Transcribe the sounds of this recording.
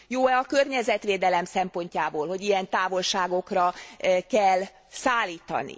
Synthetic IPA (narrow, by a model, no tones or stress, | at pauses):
joːɛɒkørɲɛzɛt̪ʋeːd̪ɛlɛmsɛmpo̞ɲcaːboːlho̞ɟijɛnt̪aːvo̞lʃaːɡo̞krɒkɛlː | saːlːiːt̪ɒ̰nḭ